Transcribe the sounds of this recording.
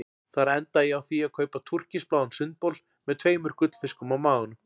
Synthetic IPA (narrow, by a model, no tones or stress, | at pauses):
θaɾɛnt̪ajɛawθiaðkʰœːɥpat̪ʰur̥cɪsplaːwansʏnt̪̚powl | mɛðt̪ʰveːjmʏɾ̥kʏt̪l̥fɪskʏmawmaːwɣʏnʏ